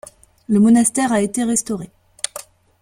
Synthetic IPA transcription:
ləmɔnast̪ɛʁaet̪eʁɛst̪ɔʁe

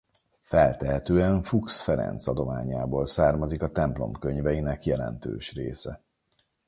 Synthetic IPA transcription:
fɛlt̪ɛɦɛt̪øːɛɱfuksfɛɾɛ̰nt̪sɒd̪o̞ma̰ːɲaːboːlsaːrmɒzikɒt̪ɛmplo̞̰mkøɲvɛjinɛkjɛlɛ̰nt̪ø̰ːʃrḛːsɛ

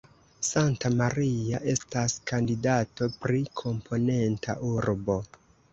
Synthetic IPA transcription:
santamaɾiaʔe̞staskandidato̞pɾikʰo̞mpʰo̞ne̞ntʰa̰ʔuɾbo̞

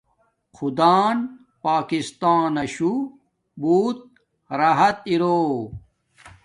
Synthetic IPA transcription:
xʰud̪aːn | paːkist̪aːnɐɕu | buːt̪̚ | ɾɐɦɐt̪iɾoː

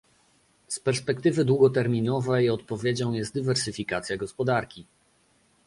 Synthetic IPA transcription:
spɛɾspɛkt̪ɘvɘd̪wuɡɔt̪ɛɾmʲinɔvɛjɔt̪̚pɔvʲjed͡ʑɔ̃w̃jɛst̪̚d̪ivɛɾsɘfʲikat̪sʲjaɡɔspɔd̪aɾkʲi

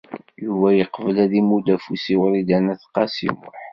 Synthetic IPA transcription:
juvæjəqːvəlæðimud̪æfusiwəɾid̪ænæθqɑsḭmʊħ

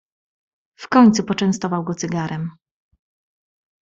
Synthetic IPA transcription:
fkɔɲt̪supɔt͡ʂɛ̃ñst̪ɔvawɡɔt̪sɘɡaɾɛm

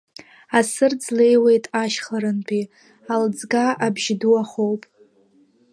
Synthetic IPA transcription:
asɨrd͡zle̞jwe̞jtʼaʃχaɾɨnpʰi | ald͡zɡaʔabʒduaχowpʼ

